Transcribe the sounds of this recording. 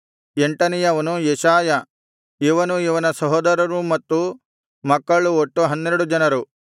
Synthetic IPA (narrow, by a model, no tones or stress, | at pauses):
eɳʈɐnijɐʋɐnujɛʃaːjɐ | iʋɐnuiʋɐnɐsɐɦɔːd̪ɐɾɐɾumɐt̪ːu | mɐkːɐɭuoʈːuɦɐnːeɾɐɽud͡ʒɐnɐɾu